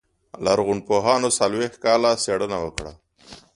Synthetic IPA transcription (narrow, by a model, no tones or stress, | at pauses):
laɾɣʊɳ̚poɦɑnosalwex̚kɑlaseɽənawəkɽa̰